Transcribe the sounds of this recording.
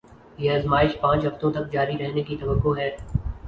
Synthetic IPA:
jeɐzmaːɪʃpãːt͡ʃɦɐft̪õt̪ɐk̚d͡ʒaːɾiɾɛɦnekit̪ɐʋəkːoɦɛː

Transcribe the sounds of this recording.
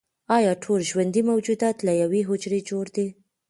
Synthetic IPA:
ɑjɑʈʰolʒwand̪imawd͡ʒud̪ɑt̪lajaweɦʊd͡ʒɾed͡ʒoɽd̪e

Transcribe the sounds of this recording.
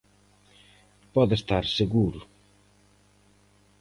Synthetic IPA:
pɔðest̪aɾseɣuɾʊ

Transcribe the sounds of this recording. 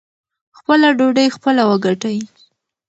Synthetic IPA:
xpəlaɖoɖəjxpəlawəɡaʈaji

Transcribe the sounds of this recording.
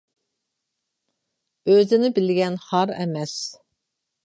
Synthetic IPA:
øzɪnɪbɪlɡʲɛnχɑɾɛ̰mɛs

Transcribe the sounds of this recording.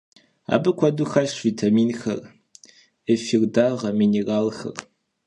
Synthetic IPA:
a̰ːbɨkʷʰɔduxaɕviːtʰamiːnxɐ̰r | əfirdaːʁɐmineraːlxɐ̰r

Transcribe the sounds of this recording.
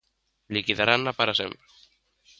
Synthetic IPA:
likiðaɾanːapaɾasḛmpɾe

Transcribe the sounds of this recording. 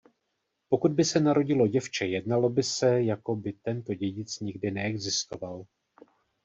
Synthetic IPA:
po̞kud̪̚bɪsɛnaɾo̞ɟɪlo̞ɟɛft͡ʃɛjɛdnalo̞bɪsɛjako̞bɪt̪ɛnt̪o̞ɟɛɟɪt͡sɲɪɡdɪnɛɛɡzɪst̪o̞val

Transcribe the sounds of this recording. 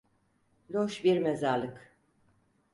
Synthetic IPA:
lʲoʃbiɾmezaɾlˠɯk

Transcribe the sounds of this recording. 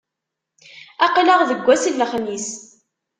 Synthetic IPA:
ɑqləʁðəɡʷːæsilːəχnis

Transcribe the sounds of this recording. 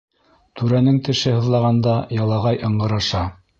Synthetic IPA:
t̪ʉɾænɘŋt̪ɘ̆ʃɘhɤ̆ðlˠɑʁɑnd̪ɑjɑlˠɑʁɑjʔɤ̆ɴɢɤ̆ɾɑʃɑ

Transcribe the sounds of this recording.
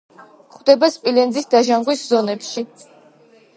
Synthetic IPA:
χwd̪ɛbaspʼilɛnd̪zisd̪aʒamʁwiszɔnɛpʃi

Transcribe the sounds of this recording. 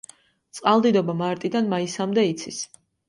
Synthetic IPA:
t̪sʼqʼalˠd̪id̪ɔbamaɾt̪ʼid̪anmaisamd̪ɛit̪sʰis

